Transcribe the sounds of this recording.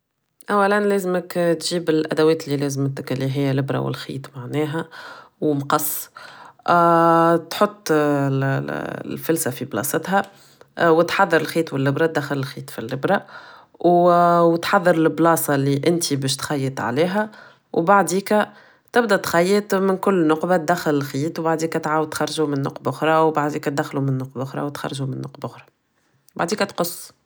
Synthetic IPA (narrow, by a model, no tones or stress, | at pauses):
ʔæwːælænlɛːzəməkt̪ʒiːbɪlʔæd̪æwɛːt̪lilɛːzmt̪kɪlːiɦɪjːælɪbɾɑ̰wɪ̰lxḭːt̪ˤmaʕnɛːɦæwmqɑsˤː | t̪ħot̪ˤː | lfʊlsæfiblɑ̰ːsˤət̪ɦæ | wɪt̪ħɑðˤːɑɾɪlxiːt̪wɪlːɪbɾˤɑt̪̚d̪æxɪlɪlxiːt̪ˤfilːɪbɾˤɑ | wwt̪ħɑðˤːɑɾlblɑːsˤɑliʔɪnt̪ibɛːʃ̬t̪xɑjːət̪ˤʕa̰liːɦæ | wbaʕd̪iːkæ | t̪ɪbd̪æt̪xɑjːət̪mɪnkʊlːnʊqbat̪̚d̪æxːɪlɪlxiːt̪wbaʕd̪iːkæt̪ʕaːwəd̪̚t̪xɑɾˤʒumɪnːʊ̰qbʔʊxɾˤɑwbaʕd̪iːkæt̪̚d̪æxːlumɪnːʊqbʔʊxɾˤɑ̰wt̪xɑ̰ɾˤʒumɪnːʊ̰qbʔʊxɾˤɑ | ba̰ʕd̪iːkæt̪qʊsː